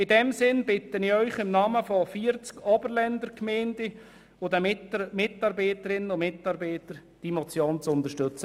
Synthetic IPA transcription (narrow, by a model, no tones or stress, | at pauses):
ɪdɛmsɪnbɪtənɪœʏχɪmnɑːməfɔfiːəɾt͡skʰɔbəɾlɛndəɾkmɛːnd̥ɪ | odɛmɪtmɪtɑɾbɛɪtəɾɪnənʊmɪtɑɾbɛɪtəɾ | d̥imɔt͡sjoːnt͡sʊntəʃtɵt͡sə